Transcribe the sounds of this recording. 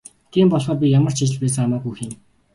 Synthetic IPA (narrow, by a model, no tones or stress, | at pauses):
t̪ʰiːmpɔɮχɔːrp̬ʲijamə̆r̥t͡ɕʰit͡ɕɪ̆ɮpæːt͡sːamaːɡujxiːn